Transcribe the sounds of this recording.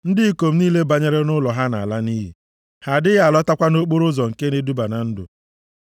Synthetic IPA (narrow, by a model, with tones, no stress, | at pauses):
n̩˦dɪ˦i˨ko˨m̩˦niː˦le˦ba˨ɲe˦ɾe˦nʊ˦lɔ˨ɦa˦na˨la˦ni˦ɦḭ˨ | ha˨dɪ˦ɣa˦˨lɔ˦ta˦kʷa˦no˦k͡po˦ɾʊ˦zɔ˨ŋ̩˨ke˦ne˦du˦ba˨na˨n̩˦dʊ̰˨